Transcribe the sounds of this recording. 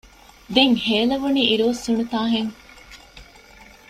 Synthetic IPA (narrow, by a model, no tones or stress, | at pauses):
d̪eŋheːlɐʋuniiɾoːsːuɳut̪aːɦeŋ